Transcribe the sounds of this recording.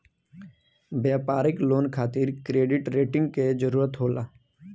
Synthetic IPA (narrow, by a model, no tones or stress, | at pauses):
bjaːpaːɾɪkloːnkʰaːt̪ɪɾkɾeːɖɪʈɾeːʈɪ̃ŋɡ̚ked͡ʒəɾuːɾət̪ɦoːlaː